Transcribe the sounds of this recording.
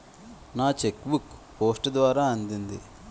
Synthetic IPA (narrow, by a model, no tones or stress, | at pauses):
naːt͡ʃekbukpo̞ːsʈd̪ʋaːɾaːɐnd̪ind̪ḭ